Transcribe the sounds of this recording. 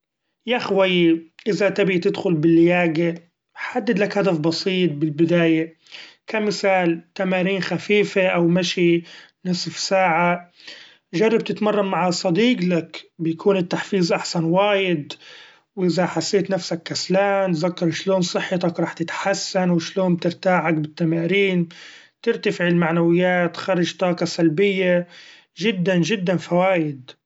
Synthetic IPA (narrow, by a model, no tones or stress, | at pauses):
jaxwajiʔɪzat̪abit̪ɪd̪xʊlbɪlːɪjaːɡe | ħad̪ːɪd̪lakhad̪afbɑsˤiːt̪̚ˤbɪlbɪd̪aːja | kamɪθaːlt̪amaːɾiːnxafiːfeʔawmaʃinɪsfsaːʕa | ʒɑrˤːɑb̚t̪ɪt̪mɑrˤːɑmːaʕasˤɑd̪iːɡlakbɪjakʰuːnɪt̪ːaħfiːzʔaħsanwaːjɪd̪ | wʔɪzaħasːeːt̪nafsakːaslaːmt̪zakːɑɾˤʃloːnsˤɨħːɪt̪ɑkɾˤɑːħt̪ɪt̪ħasːanwɪʃloːnb̚t̪ɪɾt̪aːʕak̚bɪt̪ːamaːɾiːn | t̪ɪɾt̪afɪʕɪlmaʕnawɪjːaːt̪xɑɾˤɪd͡ʒt̪ˤɑːqɑsalbɪjːa | ʒɪd̪ːanʒɪd̪ːanfawaːjɪd̪